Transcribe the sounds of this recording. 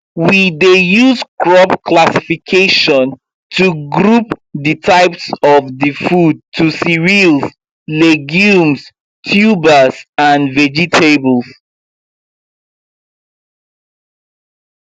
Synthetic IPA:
widejuzkʰɹɔpkʰlasifikʰeʃɔ̃n | tʰuɡɹupðitʰaɪpsɔvðifud̚tʰusiɹils | lɛɡjũms | tʰjubəsãnvɛd͡ʒitʰebəlˠs

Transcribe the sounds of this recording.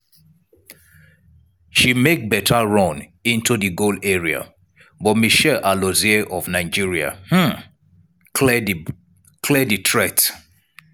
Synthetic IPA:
ʃimek̚bɛtʰaɹɔ̃nĩntʰuðiɡolɛɹia̰ | bɔt̚miʃɛlʔalozɛʔɔvnaɪd͡ʒiɹia̰h̩ | kʰlɛd | kʰlɛditʰɹɛt

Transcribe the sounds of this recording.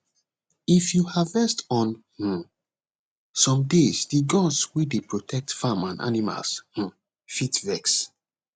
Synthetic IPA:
ifjuhavɛstɔ̃nhũ | sɔ̃mdesdiɡɔdswedepɹotʰɛk̚tfamãnʔa̰nima̰lshũ | fitvɛks

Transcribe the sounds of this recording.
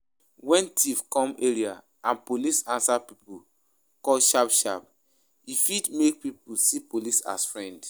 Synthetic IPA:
wɛ̃ntʰivkɔ̃meɹia | ãnpolisãnsapipu | kɔlʃapʃa̰p | ifidmek̚pipusipolisa̰sfɹɛ̃nd

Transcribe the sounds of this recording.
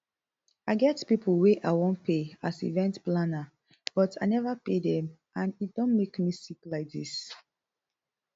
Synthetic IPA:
aɪɡɛtpipʰl̩weʔaɪwɔ̃npʰeasḭvɛ̃ntplana | b̥ɔtaɪnɛvapedɛ̃m | ãnit̚dɔ̃nmekmisiklaɪk̚dḭs

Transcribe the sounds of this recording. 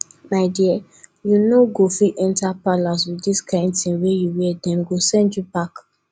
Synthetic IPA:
maɪdiɛ | junoɡofiʔɛ̃ntapalaswidiskʰãɪ̃nd̚tĩnwejuwɛdɛ̃nɡosɛ̃ndjubak

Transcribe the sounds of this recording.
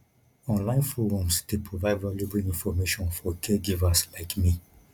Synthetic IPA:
ɔ̃nlãɪ̃nfoɾɔ̃msd̥epʰɹovaɪdvaljubiĩnfɔmeʃɔ̃nfɔkʰɛɡivaslaɪkmi

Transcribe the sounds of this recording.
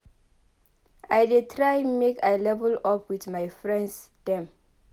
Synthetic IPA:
ajdetʰɹajmekajlɛvɔlɔpwitmajfɹɛ̃nds | d̥ɛ̃m

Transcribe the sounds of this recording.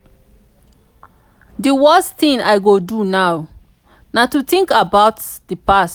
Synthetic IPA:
diwɜsθĩŋaɪɡodunaw | natutĩŋkabaʊt | dipast

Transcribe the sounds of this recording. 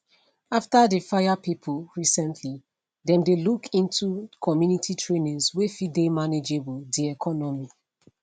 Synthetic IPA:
aftadefajapipʰəlɹisɛ̃ntʰli | dɛ̃mdelukʰĩntʰukʰɔmjunitʰitʰɹenĩswefidemaned͡ʒebɔdiɛkʰɔnɔmi

